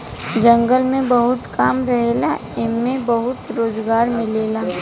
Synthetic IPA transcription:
d͡ʒɐ̃ŋɡəlmẽbɐɦʊt̪kaːmɾɐɦelaɪnmẽbɐɦʊt̪ɾoːzɡaːɾmɪleːlaː

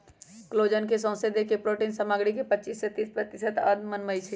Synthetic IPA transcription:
kloːd͡ʒənkesɔ̃ːsed̪ekepɾoʈiːnsəmaɡɽikepətːt͡ʃiːsːet̪ispɾət̪ɪsət̪əd̪mənməjt͡ʃʰɛ

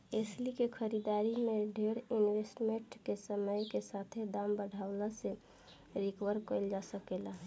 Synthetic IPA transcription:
eslikekʰəɾid̪aːɾimeɖʱeɾɪnwesʈmeʈkesəməjkesat̪ʰed̪ambəɽʱaːʊlase | ɾikwəɾkəld͡ʒasəkela

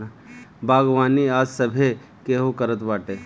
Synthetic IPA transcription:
bʱaːɡʋaːniaːd͡ʒsɐbʱe | keːɦokəɾət̪baːʈeː

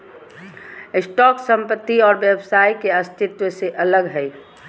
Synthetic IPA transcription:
ɪsʈɔːksə̃mpət̪ːiɔːɾʋjebsaːikeɐst̪ʰɪt̪wəseʔɐləɡɦɛi

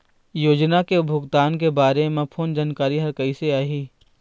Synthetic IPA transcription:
joːd͡ʒnakebʱʊɡt̪aːnk̬ebaːɾeemẽpʰoːnd͡ʒaːnkaːɾiɦɐɾkɐiseaːɦiː

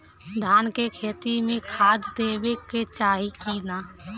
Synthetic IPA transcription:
d̪ʱaːnkekʰeːt̪imẽkʰaːd̪d̪eːweket͡ʃaːɦikiːnaː

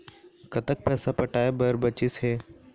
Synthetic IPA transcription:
kɐt̪ək̚pɛːsapɐʈaːebəɾbət͡ʃɪsɦɛː

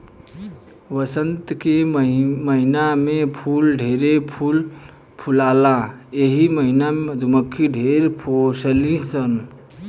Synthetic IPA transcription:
ʋəsənt̪keməɦinamepʰulɖʱeɾepʰul | pʰulalaeɦiməɦinamed̪ʱuməkʰːiɖʱeɾpʰosəlisən

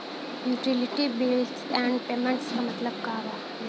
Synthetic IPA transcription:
juːʈɪlɪʈibilsɛ̃ɳɖpeːmə̃ɳʈskamɐt̪ləb̚kaːʋa

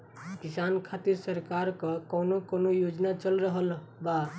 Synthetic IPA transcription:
kisankʰat̪iɾsəɾkaɾkəkɔnokonojod͡ʒnat͡ʃəlɾəɦəl | ba

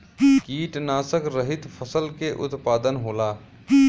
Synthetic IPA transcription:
kiːʈnaːsəkɾəɦɪt̪pʰəsəlkeʔʊ̰t̪paːd̪ənɦoːlaː

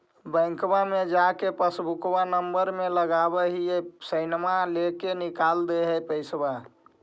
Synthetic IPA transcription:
bə̃ŋkbamed͡ʒakepəsbukbanəmbəɾmeləɡabɛɦiesəɪnmalekenikald̪eɦɛpəɪsba

